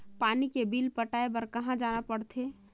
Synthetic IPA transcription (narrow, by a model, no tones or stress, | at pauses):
paːnikebiːlpəʈaːebɐɾkɐɦãd͡ʒaːnapəɽt̪ʰeː